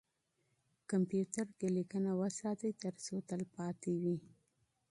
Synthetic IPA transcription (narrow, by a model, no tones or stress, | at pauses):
kampjut̪əɾkelikənawəsat̪əjt̪əɾsot̪əlpɑt̪iwi